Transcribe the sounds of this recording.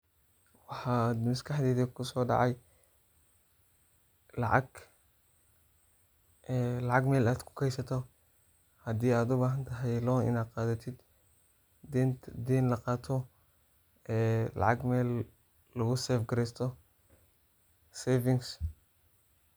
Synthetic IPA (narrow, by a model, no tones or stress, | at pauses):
wɑħɑːd̪mɐskʰɑħd̪ɛːðɐkʰʊsɔːɖɑ̰ʕɑj | lɑ̰ʕɑ̰ɡ | ɛlɑʕɑɡmɛːlaːd̪kʰʊ̥kʰɛjsɐt̪ʰɔ | hɐd̪iːaːd̪ʊbaːɦɐnt̪ʰɐɦɛjlɔːnɪ̰naːd̪̚qɑːðɐt̪ʰɪd̪ | ɛnd̪ɛːnlɐqɑːt̪ʰɔ | ɛːlɑ̰ʕɑɡmɛːlː | ɐɣʊsɛfɡɐɾɛːst̪ʰɔ | sɛːvɪŋs